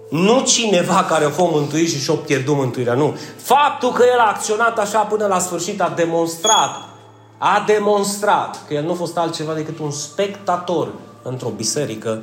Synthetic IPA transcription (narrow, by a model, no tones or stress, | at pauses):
nut͡ʃinevakaɾeofomɨnt̪uit̪ʃiʃopjerd̪umɨnt̪uiɾeanufap̚t̪ulkəje̞laːk̚t̪sio̞nat̪aʃapɨnəlasfɨrʃit̪ad̪e̞mo̞nst̪ɾat̪ | ad̪e̞mo̞nst̪ɾat̪kəjelnuafo̞st̪alt̪̚t͡ʃe̞vad̪e̞kɨt̪unspe̞kt̪at̪o̞r | ɨnt̪ɾo̞bise̞ɾikə